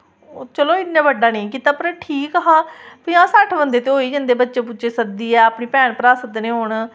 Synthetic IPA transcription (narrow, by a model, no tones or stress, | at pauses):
t͡ʃəloːɪt̪nãːbəɖaːnĩːkiːt̪aːpəɾʈʰiːkɦãːpiːãːsəʈʰbənd̪eːt̪eːoːiːd͡ʒə̃nd̪eːbətːʃeːp̬ʊːt͡ʃeːsəd̪iːɛːapɳiːpɛːɳpəɾaːsəd̪nẽːɦoːɳ